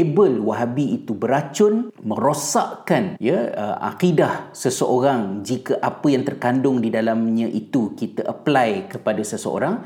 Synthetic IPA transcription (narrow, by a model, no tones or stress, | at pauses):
ebəlwaɦabiːt̪ubəɾat͡ʃʊnmə̃ɾosa̰ʔkanjaəʔa̰kidahsəsəʔoɾaŋd͡ʒikaʔapəjaŋt̪ərkandʊŋdidalamɲãʔit̪ukit̪aʔəplajkəpadasəsə̰o̰ɾaŋ